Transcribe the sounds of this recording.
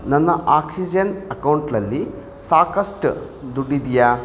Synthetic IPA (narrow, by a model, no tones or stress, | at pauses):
nɐnːɐʔaːksid͡ʒɐnɐkɐwuɳʈlɐlːi | saːkɐsʈɨ | d̪uɖid̪ijaː